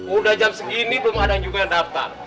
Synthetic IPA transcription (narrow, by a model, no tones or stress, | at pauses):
udahd͡ʒamsəɡinibəmadaŋd͡ʒuɡajaŋdaft̪a̰r